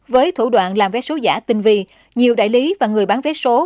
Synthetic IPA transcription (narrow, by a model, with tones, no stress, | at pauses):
vəː˨˦jt̪ʰu˧˩ɗwa̰ː˧˨nlaː˨˩mvɛ˨˦˥so˨˦za̰ː˧˩t̪ï˨˩ŋ̟vḭ˧˨ | ɲi˨˩əwɗa̰ː˧˨jli˨˦vaː˨˩ŋɨ˨˩əjɓaː˨˦nvɛ˨˦˥so˨˦